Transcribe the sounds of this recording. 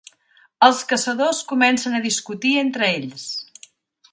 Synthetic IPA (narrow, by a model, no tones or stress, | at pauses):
əlˠskəsəðoskumɛnsənəðiskut̪ient̪ɾəeʎs